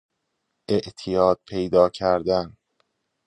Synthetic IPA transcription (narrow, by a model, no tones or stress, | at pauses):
ʔe̞ʔt̪ʰijɒːd̪̥̚pʰe̞jd̪ɒːcʰæɾd̪æn